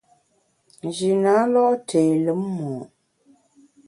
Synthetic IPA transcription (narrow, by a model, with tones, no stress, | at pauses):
d͡ʒi˨na˨˦lɔ˦ʔtʰeː˨lə˨˦mː˦ɔː˨